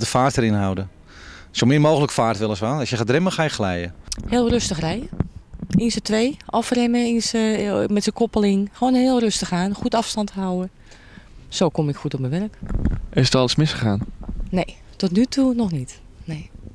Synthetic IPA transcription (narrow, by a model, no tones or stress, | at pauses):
dəfaːrtəɾɪnhawdə | sowmɪːrmoːɣələkfaːtʋɪlˠəsʋaɔsjəxadrɪməxaːjəxlɛjə̰hɪːlˠrøstəxrɛjə | insətʋeːʔɔfrɪməinsəmɛtsəkʰɔpəlɪŋxoːnhɪːlˠrøstəxaːnxutɑfstɑnthawə | soːkomɪkxutɔp̚məʋɛrkʔɪsətɑlˠəsmɪsxəxaːnneː | tɔtnytʰunɔxnit | neː